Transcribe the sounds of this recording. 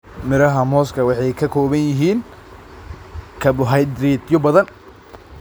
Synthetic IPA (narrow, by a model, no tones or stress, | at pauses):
mɪɾɐɦɐmɔːskʰɐwɑħɑjkʰɐkʰɔːβɐnjɪɦiːn | kʰɐbʊɦɐjd̪ɾiːd̪jɔbɐðɐn